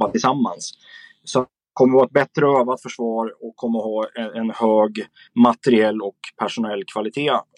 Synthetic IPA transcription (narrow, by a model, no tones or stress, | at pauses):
at̪ʰɪlsamːa̰ns | sɔat̪̚ | ɛkʰɔmːəɾvɑːɛt̪̚bɛt̪ɾəøːvat̪fœʂvɑːɾɔkʰːɔmːəhɑːɛɛnhøːɡ | mat̪ɛɾɪɛlːɔkpʰæʂʊnɛlːkʰvalɪt̪ʰeː